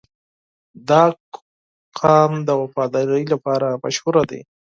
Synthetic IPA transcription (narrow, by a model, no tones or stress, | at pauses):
d̪ɑ | qʰɑmd̪əwafɑd̪ɑɾəjlapɑɾama̰ʃhʊɾad̪ḛ